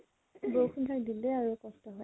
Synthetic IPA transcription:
bowxʰundʰakdinleaɹukɔstɔɦɔj

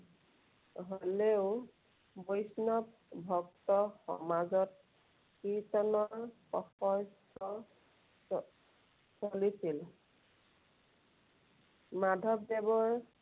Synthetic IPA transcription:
ɦoleʊ | bojsnɔp̚ | bʱɔktɔxɔ̰mazɔt̚ | kitɔnɔɹpɔ̰xɔjstɔ | solisil | madʱɔbdɛbɔɹ

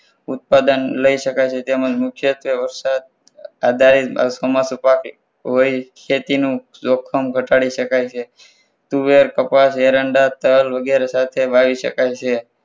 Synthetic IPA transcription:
ʊt̪̚pad̪ənləiʃəkajt͡ʃʰet̪emad͡ʒmʊkʰjət̪ʋeʋəɾsad̪̚ | ad̪ʱaɾḭsomasupak | ɦoikʰet̪inũ | sokʰːəmɡʱəʈaɽiʃəkajt͡ʃʰe | t̪uʋeɾkəpaseɾəɳɖat̪əlʋəɡeɾesat̪ʰeʋaʋiʃə̰kajt͡ʃʰe

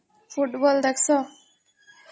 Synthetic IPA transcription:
fuʈbɔld̪aksɔ

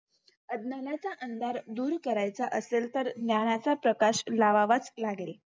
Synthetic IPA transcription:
əd̪nanat͡saʔənd̪aɾd̪uːɾkəɾajt͡saʔəselt̪əɾd̪njaɽ̃at͡sapɾəkaɕlaʋaʋat͡slaɡle

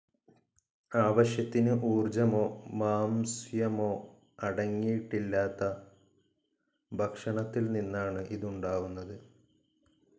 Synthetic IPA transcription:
aːʋɐɕjɐt̪ːinɨʔuːrd͡ʑɐmo̞ːmaːmsjɐmo̞ː | ɐɽɐŋːijiʈːilːaːt̪ːɐ | bʱɐkʂɐɳɐt̪ːilninːaːɳɨʔiðuɳɖaːʋunːɐðɨ

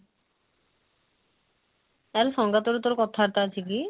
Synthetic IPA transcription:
ɛɾʃɔŋɡat̪oɾut̪oɾkɔt̪ʰaɦaɾt̪aat͡ɕʰiki

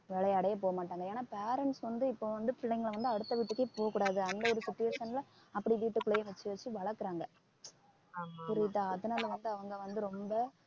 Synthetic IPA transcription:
ʋɛɭɐjɐːɽɐjɐp̬oːɣɐmaːʈːaːŋɡɐeːnaːpeːɾɛɳʈsʋɐnd̪ɯɪpːoːʋɐnd̪ɯfɪɭːɐɪŋɡɐɭʋɐnd̪ɯɐɽɯt̪ːɐʋiːʈːɯkːeːpoːɣɐkːuːɽaːðɯɐnd̪ɐɔɾɯsʊʈːɪjɐsɐnɪlɐ | ɐpːɐɽiʋiːʈːɯkːʊɭɐjɐʋɐt͡ʃːɯʋɐt͡ʃːɯʋɐɭɐɾkːɯɾaːŋɡɐ | pʊɾɪt̪ːaːɐðɯnaːlɐʋɐnd̪ɯɐʋɐŋɡɐʋɐnd̪ɯɾɔmbɐ

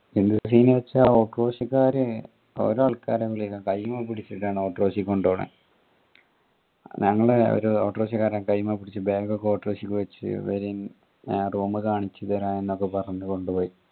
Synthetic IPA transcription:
ind̪ussiːnɨʋɐt͡ɕːao̞ːʈro̞ːɕikːaːɾɨ | o̰ɾuaɭkaːɾeʋiɭikːakɐjumapiɽit͡ɕːiʈːaːɳɨoːʈro̞ːɕikːo̞ɳɖoːɳḛ | ɲɐŋːɐɭeo̰ɾuoːʈro̞ːɕikːaːɾaːnkɐjumapiɽit͡ɕːɨbeːɡokːeo̞ːʈroːɕikʲːɨʋet͡ɕːɨ̰ʋeɾin | ruːmɨkaːɳit͡ɕːɐðeɾaːenːo̞kːepɐrɐɲːuko̞ɳɖupo̞ːi

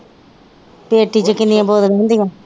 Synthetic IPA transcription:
peːʈːit͡ʃəkɪnːɪjãboːd̪əlɛ̃ːnd̪ijõː

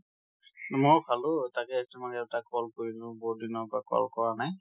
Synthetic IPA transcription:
mʊɹpʰalʊtakɛːstimakɛʊtakɔlkoɹinʊ̃bɔudinɔpakɔ̰lkɔɹanaj

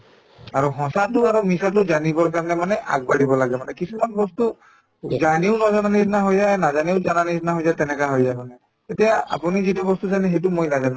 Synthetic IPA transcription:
aɹuɦɔ̃satʊaɹumisat̬ʊzanibɔɹkaɹɔnɛmanɛʔa̰ɡ̚baɹibɔlaɡɛmanɛkisumanbɔstu | zaniʊnɔzananisnaɦojzajnazaniʊzananisnaɦojzajtɛnɛkaɦojzajmanɛ | tetijaa̰punizitɛbɔstuzanɛɦejt̬umojnazan

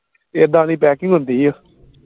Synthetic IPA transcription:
ed̪ãːniːpɛːkɪŋɡɦʊnd̪iːɛ

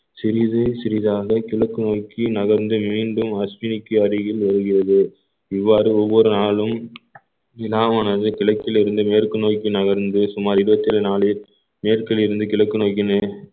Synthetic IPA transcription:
sɪɾɪðɯsɪɾɪðaːɣɐkɪɭɐkːɯnoːjkːinɐɣɐɾnd̪ɯmiːɳɖɯmɐsʋɪnɪkːɯɐɾɪɣɪlʋɐɾɯɣɪrɐðɯ | ɪʋːaːɾɯɔʋːɔɾɯnaːɭɯm | ɪlaːmaːnɐðɯkɪɭɐkːɪlɪɾɯnd̪ɯmeːrkɯnoːjkːinɐɣɐɾnd̪ɯsʊmaːɾɪɾɯbɐt̪ːɪlnaːɭɪɾ | meːrkɪlɪɾɯnd̪ɯkɪɭɐkːɯnoːjkːɪnɯ

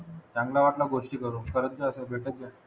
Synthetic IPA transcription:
tãŋɡlaʋaʈlaɡoʂʈiːkəɾuːkəɾət̪d͡ʑəəsəbʱeʈad͡ʑa

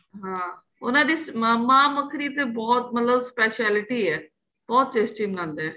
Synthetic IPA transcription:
ɦãː | ʊ̰nãːd̪iːsamãːməkʰɾiːt̪eːbɔːt̪̚mət̪ləbspɛːʃɛːlɪʈiːɛː | b̥ɔːt̪̚t͡ʃeːsʈiːmənãːnd̪eɛː

